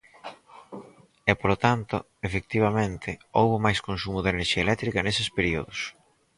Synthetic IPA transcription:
ɛpolot̪ant̪ʊ̰ | efek̚t̪iβ̞ɐmẽnt̪ʰɪowβʊmajskonsumʊðeneɾʃiɐelɛk̚t̪ɾikɐnesɪspeɾio̰ðʊs

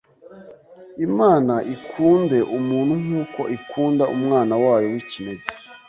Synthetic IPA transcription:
imaːnaʔikʰuːnde̞ʔumuːn̤̥huŋuːko̞̰ʔikuːndaʔṵmŋaːnawaːjo̞wicime̞ze

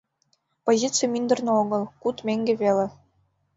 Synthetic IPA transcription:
pozʲitt͡sɨjmʲind̪ɤ̆rnɤ̆oɡɤ̆lˠkut̪mʲeŋʲɡʲĕβʲelʲĕ

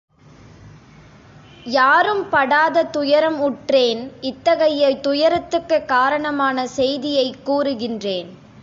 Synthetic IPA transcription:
jaːɾɯmpɐɽaːðɐt̪ʊjɐɾɐmʊʈreːnɪt̪ːɐɣɐjɐt̪ʊjɐɾɐt̪ːɯkːɯkːaːɾɐɳɐmaːnɐsɛjðɪjɐɪkːuːɾɯɣɪndreːn

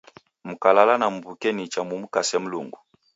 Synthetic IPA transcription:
m̩kalalanam̩bukɛnit͡ʃamumukasɛm̩luŋɡu

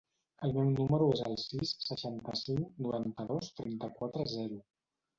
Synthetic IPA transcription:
əlˠmɛwnuməɾuezəlˠsisːəʃant̪əsiŋknuɾant̪əðost̪ɾɛnt̪əkwat̪ɾəzɛɾu

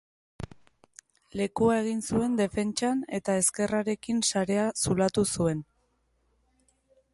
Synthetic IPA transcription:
le̞kuae̞ɣ̞insue̞nd̪e̞fe̞nt͡ʃane̞t̪ae̞ske̞raɾe̞kinsaɾe̞asulat̪usue̞n

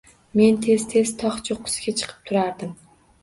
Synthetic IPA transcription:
me̞nt̪ʰe̞z̥t̪ʰe̞z̥t̪ʰɒχt͡ʃʰoqʰːʊ̥sɡʲat͡ʃʰɨ̥qʰɨ̥p̚t̪ʰʊɾaɾd̪ɪm

